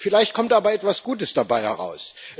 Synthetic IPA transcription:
fɪlaɪçt̚kʰɔmtʔaːbɐɛtv̥asɡ̥uːtəsd̥abaɪhɛ̰ʁa̰ʊs

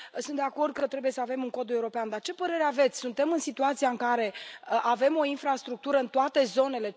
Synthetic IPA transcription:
sunt̪̚d̪e̞ako̞rd̪̚kət̪ɾe̞buje̞səavemuŋko̞d̪ue̞uɾo̞peand̪art͡ʃe̞pəɾe̞ɾeave̞t̪sʲsunt̪e̞mɨnsit̪uat̪siaɨŋkaɾe̞əʔave̞mo̞infɾast̪ɾuk̚t̪uɾəɨnt̪oat̪e̞zo̞ne̞le̞

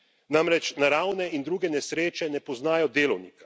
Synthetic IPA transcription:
namɾɛt͡ʃnaɾaːwnɛind̪ɾuːɡɛnɛsɾeːt͡ʃɛnɛpɔznaːjɔd̪eːlɔwniːkḁ

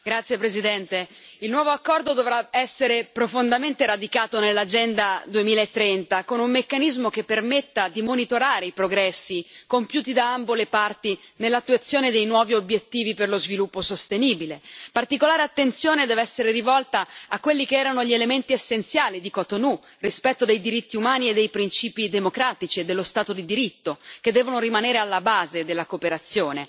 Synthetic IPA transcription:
ɡɾat̪sjepɾezid̪ɛnt̪e | ilnwɔːvoakːɔrd̪od̪ovɾaɛsːeɾepɾofond̪ament̪eɾad̪ikaːt̪onelːad͡ʒɛnd̪ad̪uemiːlaet̪ːɾɛnt̪akonumːekːanizmokepːermet̪ːad̪imonit̪oɾaːɾeipɾoɡɾɛsːikompjuːt̪̬id̪aambolepart̪i | nelːat̪ːuat̪sːjoːned̪ejnwɔːviobjet̪ːiːviperlozvilupːosost̪eniːbilepart̪ikolaːɾeat̪ːent̪sjoːned̪ɛːveɛsːeɾerivɔlt̪aakːwelːikeɛːɾanoʎielement̪iesːent̪sjaːlid̪ikɔt̪onu | rispɛt̪ːod̪ejd̪iɾit̪ːiumaːnied̪ːejpɾint͡ʃiːpid̪emokɾaːt̪it͡ʃied̪ːelːost̪aːt̪od̪id̪iɾit̪ːoked̪ːɛːvonoɾimaneːɾealːabaːzed̪elːakopeɾat̪sjoːne

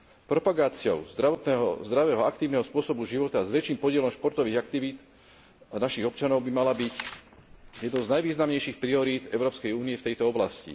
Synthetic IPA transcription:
pɾɔpaɡaːt͡sɪɔ̰ʊzd̪ɾaʋɔt̪nɛɦɔ̰zd̪ɾaʋɛːɦɔak̚t̪iːʊnɛɦɔspʊɔsɔbuʒiʋɔt̪azʋɛt͡ʃiːmpɔɟɪɛlɔmʃpɔɾt̪ɔʋiːɣakt̪iʋiːt̪ | naʃiɣɔpt͡ʃanɔʊbimalabic | jɛd̪nɔznajʋiːznamɲɛjʃiːxpɾiɔɾiːt̪ɛʊɾɔːpskɛjuːniɛft̪ɛjt̪ɔɔblascḭ

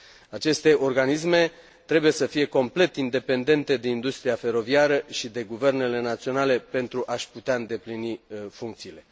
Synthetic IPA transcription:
at͡ʃe̞st̪e̞ʔo̞rɡanis̬me̞ | t̪ɾe̞buje̞səfije̞ko̞mple̞t̪ind̪e̞pe̞nd̪e̞nt̪e̞d̪e̞ind̪ust̪ɾiafe̞ɾo̞viaɾəʃid̪e̞ɡuve̞rne̞le̞nat̪sio̞nale̞pe̞nt̪ɾuʔaʃput̪eaɨnd̪e̞plinifuŋk̚t̪siːle̞

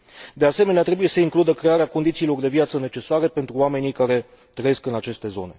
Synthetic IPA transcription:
d̪e̞ase̞me̞neat̪ɾe̞buje̞səiŋklud̪əkɾe̞aɾeako̞nd̪it̪siːlo̞rd̪e̞vjat̪səne̞t͡ʃe̞saɾe̞pe̞nt̪ɾuame̞nikaɾe̞ | t̪ɾəje̞skɨnat͡ʃe̞st̪e̞zo̞̰ne̞̰

